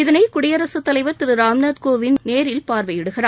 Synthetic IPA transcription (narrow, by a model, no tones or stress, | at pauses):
ɪðɐnɐɪkʊɽɪjɐɾɐsɐt̪ːɐlɐɪʋɐɾt̪ɪɾɯɾaːmnaːd̪koːʋɪnneːɾɪlpaːɾʋɐɪjɪɽɯɣɪraː